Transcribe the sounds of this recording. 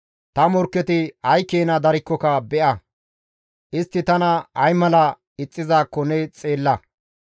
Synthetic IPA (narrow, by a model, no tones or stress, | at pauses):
t̪ɐmɔɾkːɛt̪ɪhɐjkːeːnɐd̪ɐɾɪkːɔkɐbɛʔɐ | ʔɪst̪ːɪt̪ɐnɐɐjmɐlɐ | ɪt͡sʼːɪzaːkːɔnɛt͡sʼe̞ːlːɐ